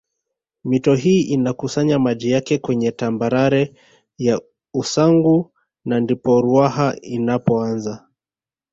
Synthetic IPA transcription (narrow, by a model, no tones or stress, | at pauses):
mitɔɦiːʔinakusaɲamaʄijakɛkwɛɲɛtambaɾaɾɛ | ja | usaŋɡu | nandipɔɾuahainapɔanza